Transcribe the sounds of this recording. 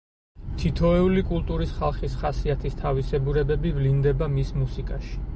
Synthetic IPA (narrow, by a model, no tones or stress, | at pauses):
t̪ʰit̪ʰɔɛulikʼulˠt̪ʼuɾisχalˠχisχasiat̪ʰist̪ʰavisɛbuɾɛbɛbivlind̪ɛbamismusikʼaʃi̥